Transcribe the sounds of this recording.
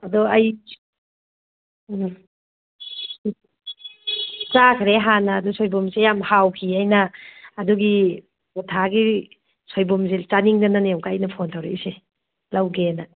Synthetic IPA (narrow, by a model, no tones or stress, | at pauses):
ɐdɔɐj | t͡ʃakʰɾeɦanɐːdusojbumsejamhawkʰiɐjnɐːduɡi | utʰaɡi | sojbumzet͡ʃaniŋdɐnɐnewɡaːjnɐpʰontʰawɾeise | lɐwɡenɐ